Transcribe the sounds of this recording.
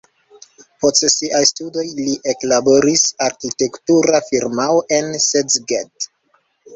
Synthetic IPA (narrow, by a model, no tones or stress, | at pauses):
postsiʔajstudo̞jliʔe̞klabo̞ɾisaɾkite̞ktuɾafiɾmawʔe̞nsezɡet